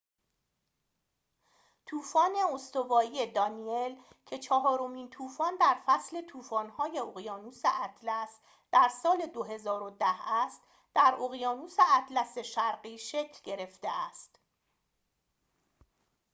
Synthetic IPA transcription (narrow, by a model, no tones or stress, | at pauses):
t̪ʰuːfɒːne̞ost̪o̞vɒːiːje̞d̪ɒːniel | cʰe̞t͡ʃʰɒɦɒːɾo̞miːnt̪ʰuːfɒːnd̪æɾfæsle̞t̪ʰuːfɒːnhɒːje̞oɣjɒːnuːseʔæt̪ʰlæs | d̪̥æɾsɒːle̞d̪oɦe̞zɒːɾod̪æhæst̪ | d̪̥æɾoɣjɒːnuːse̞æt̪ʰlæse̞ʃæɾɢiːʃecʰlɟe̞ɾe̞ft̪eæst̪